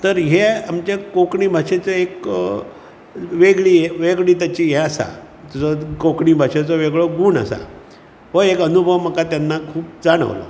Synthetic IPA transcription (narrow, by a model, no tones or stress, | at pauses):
t̪əɾɦeamt͡ɕekokɳiːbʱaʂet͡səek | ʋeɡɭiːeʋeɡɭiːt̪jat͡ɕijɛasa̰ | t̪ud͡zɔkokɳiːbʱaʂet͡sɔʋeɡɭoɡuːɳa̰sa̰ | ɦoekənubʱəʋməkat̪janːakʰuːp̚d͡zaɽ̃ə̰ʋlə̰